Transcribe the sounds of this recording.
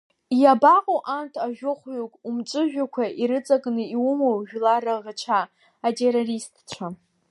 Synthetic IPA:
jabaqʼoʔantʰaʒᶣʊχʷɥokʼumt͡ʃʷʼɨʒᶣakʷʰaʔiɾɨt͡sʼakʼnɨiwumowʒᶣlaɾaʁət͡ʃʷʰaː | tʰʼe̞ɾoristʰt͡ɕʷʰa

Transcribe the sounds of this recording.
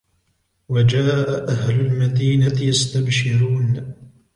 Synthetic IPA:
wad͡ʒaːʔaʔahlʊlmad̪iːnat̪ɪjast̪abʃɪɾuːn

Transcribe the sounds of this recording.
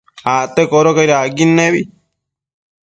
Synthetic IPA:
at̪ekoɾokajɾaɡinːeβi

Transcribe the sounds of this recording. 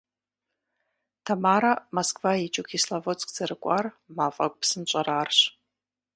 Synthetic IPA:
tʰamaːɾamoskʰʼvait͡ʃʼʊkʰislavot͡sʼkʼz̥ɐɾɨkʷʼar | maːfʼakʷʼpsɨnt͡ʃʷʼɐɾaːrɕ

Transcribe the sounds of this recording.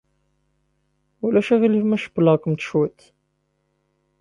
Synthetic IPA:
ulæʃæʁilifmæʃə̥bləkʷmt̪ʃut̪

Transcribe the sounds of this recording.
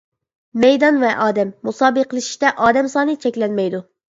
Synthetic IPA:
mɛjd̪ɑnvɛʔɑːd̪ɛmːusɑːbɨqʰəlˠɨʃi̥ʃt̪ɛʔɑːd̪ɛmsɑːnɨt͡ʃʰɛkʲlɛnmɛjd̪u

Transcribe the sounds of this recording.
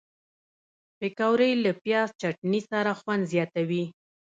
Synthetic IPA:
pekawɾəjlapjɑst͡ʃaʈnisaɾaxwand̪zjɑt̪awi

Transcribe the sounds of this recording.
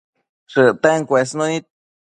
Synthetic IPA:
ʂɨt̪eŋkʷes̬nõni

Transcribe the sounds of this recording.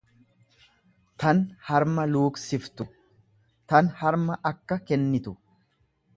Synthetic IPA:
t̪ɐnhɐɾmɐluːksɪft̪ʊ | t̪ɐnhɐɾmɐʔɐkːɐkɛnːɪt̪ʊ

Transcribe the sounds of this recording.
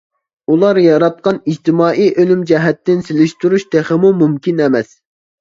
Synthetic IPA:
ulˠɑɾjɑɾɑt̪̚qɑnid͡ʒt̪ɪmɑːʔijʔølymd͡ʒɛɦɛt̪ːɪnselɪʃt̪uɾuʃt̪ʰeχəmumumkʲʰinɛmɛs

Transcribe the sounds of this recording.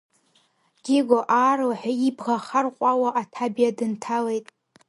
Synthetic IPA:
ɡ̥ʲɪɡʷoʔaːroħᶣaibʁaχarqʷʼawaʔatʰabijadɨntʰale̞jtʼ

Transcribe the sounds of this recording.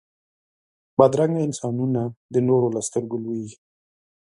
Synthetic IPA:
bad̪ɾaŋɡaɪnsɑnunad̪ənoɾolast̪əɾɡolwii

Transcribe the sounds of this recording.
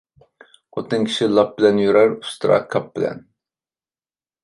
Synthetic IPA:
ot̪ʰɨŋkʲʰi̥ʃilˠɑp̚bɪlɛnjyɾæɾu̥st̪ɾɑ̰kʰɑp̚bɪlɛ̰n

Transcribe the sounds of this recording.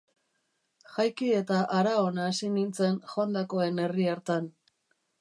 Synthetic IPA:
xajkie̞t̪aʔaɾaonaːsinint͡se̞nxoand̪ako̞e̞ne̞riaɾt̪an

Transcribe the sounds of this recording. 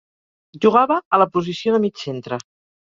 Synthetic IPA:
ʒuɣ̞aβəːləpuzisioðəmit͡ʃsent̪ɾə

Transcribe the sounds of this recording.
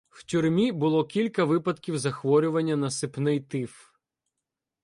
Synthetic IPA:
w̥tʲurmʲibʊlˠɔkʲilʲkɐʋɪpɐd̪kʲiwzɐxʋɔɾʲʊʋɐnʲːɐnɐsɪpnɪjt̪ɪf

